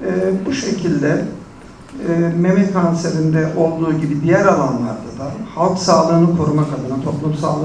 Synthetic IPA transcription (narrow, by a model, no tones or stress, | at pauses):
ɛbuʃe̞cʰilʲd̪ɛ | me̞mɛkʰanseɾind̪ɛʔo̞lˠd̪uːɟibid̪ijæɾalˠanlˠa̰ɾd̪ad̪ahalˠksaːlˠɯːnɯkʰo̞ɾumakad̪ɯnat̪ʰo̞plˠumsalˠɯ